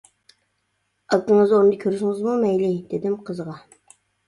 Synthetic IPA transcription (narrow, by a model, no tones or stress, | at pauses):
ɑlt̪əŋəzond̪ɑkʰʲøɾʃɪŋɨzmumɛjlɪd̪̥ed̪ɪmqʰəzʁɑ